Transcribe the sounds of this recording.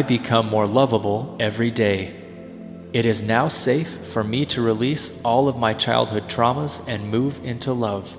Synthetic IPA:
ɪbɨkʰʌ̃mːɔɹlʌvəbl̩ˠɛvɹideɪ | ɨɾɨznaʊseɪfːə˞miɾɨɹilisɔlˠʌvmaɪt͡ʃʰaɪlˠd̚hʊd̚tʰɹ̥ɑməzɨ̃nmuvɪ̃ntʰulʌv̥

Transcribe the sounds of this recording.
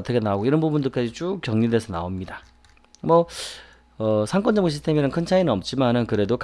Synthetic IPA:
ʌt͈ʰʌkʰenaoɡoiɾʌnbubundɯɭk͈ad͡ʑit͡ɕ͈ukk͈jʌŋɲidesʰʌna̰omɲida | mwʌ | ʌsʰaŋk͈ʌnd͡ʑʌmoɕ̬ʰistʰe̞minɯnkʰɯnt͡ɕʰainɯnʌp̚t͡ɕ͈imanɯnkɯɾe̞dok

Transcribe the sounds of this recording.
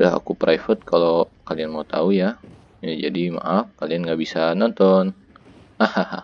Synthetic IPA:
daɦa̰kupɾaifət̪̚kalokalianmaut̪a̰uja | jad͡ʒadima̰ʔafkalianŋɡaʔbisanɔnt̪ɔn | ahaha

